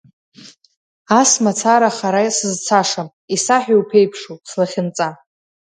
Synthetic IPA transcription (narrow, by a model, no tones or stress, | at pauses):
asmat͡sʰaɾaχaɾajsɨzt͡sʰaʂam | isaħiwpʰejpʰʂuslaχʲɪnt͡sʼa